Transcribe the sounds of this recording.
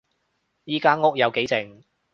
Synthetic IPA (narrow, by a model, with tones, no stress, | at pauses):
jiː˥kaː˥ŋʊ˥k̚jɐ˨˧wke˨˥jt͡sɪ˨ŋ